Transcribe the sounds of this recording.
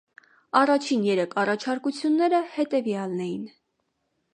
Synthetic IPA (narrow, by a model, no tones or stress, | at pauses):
ɑrɑt͡ʃʰinjɛɾɛkʰɑrɑt͡ʃʰɑɾkut͡sʰjunːɛɾəhɛt̪ɛvjɑlnɛjin